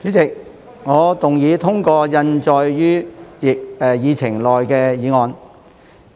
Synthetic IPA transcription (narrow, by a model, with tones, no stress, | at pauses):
t͡ʃyː˨˥t͡sɪ˨k̚ | ŋɔː˨˧t̪ʊ˨ŋjiː˨˧t̪ʰʊ˥ŋkɔː˧jɐ˧nt͡ʃɔː˨˧jjyː˥jɪ˨k̚ɛ˨jiː˨˧t͡sʰɪ˨˩ŋlɔː˨jkɛː˧jiː˨˧ŋɔː˨˧n